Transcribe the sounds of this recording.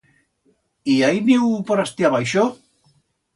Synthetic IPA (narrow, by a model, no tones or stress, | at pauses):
iajniwpoɾast̪iaβajʃo